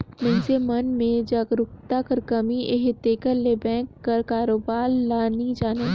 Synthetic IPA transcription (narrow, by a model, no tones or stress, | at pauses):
mɛ̃ːnsemɐnmẽd͡ʒaːɡɾʊkt̪akɐɾkɐmiʔeːɦt̪eːkəɾlebɛ̃ːkːɐɾkaːɾoːbaːɾlaːnid͡ʒaːne